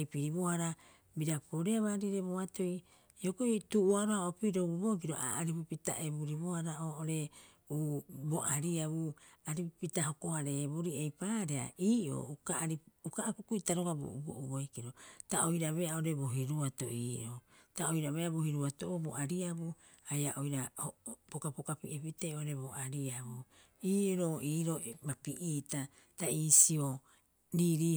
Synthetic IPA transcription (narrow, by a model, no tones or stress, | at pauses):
jpiɾiβo̞haɾa | biɾapoɾeaβaːɾiɾe̞boato̞j | okoituʔuaɾoaoapiɾobubo̞k̬iɾo̞̰ʔa̰aɾipupita̰ʔeβuɾiβohaɾaoːoɾe̞ | uboʔaɾiaβuaɾippitaɦo̞ko̞haɾeboɾiejpaːɾea̰ʔiːʔo̞̰ːukaɾiukaːkukuitaɾoɡabo̰ubo̰ʔuboikiɾo̞taojɾaβeaoɾe̞bo̞ɦiɾuatoʔiːʔotaojɾaβeabuhiɾuatoʔobo̰ʔaɾiabu | ajaʔojɾahopokapokapiʔepiteoɾe̞βoʔaɾiaβu | iːɾoiːɾo̞mapiʔiːta | taiːsio | ɾiːɾiː